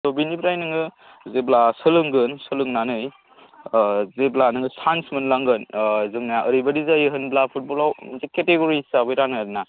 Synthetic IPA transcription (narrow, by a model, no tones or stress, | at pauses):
tobinipʰɾajnɯŋɯ | zeblasɯlɯŋɡɯnsɯlɯŋnanɯj | zeblanɯŋɯsansmɯnlaŋɡɯnzɯŋnaaʔəɾibadizajɯɦɯnblapʰut̚bɔlawmɐnzeketeɡoɾisabɯjɾanɯdna